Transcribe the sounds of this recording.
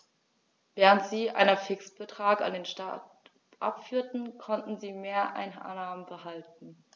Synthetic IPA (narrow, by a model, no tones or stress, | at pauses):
vɛːʁ̞əntz̥iːʔa̰ɪnɐfɪksb̥ətʁ̥aːka̰ndeːnʃta̰t | ʔa̰pfyːɐtn̩kʰɔntn̩ziːmeːɐʔa̰ɪnnaːmənbəhaltn̩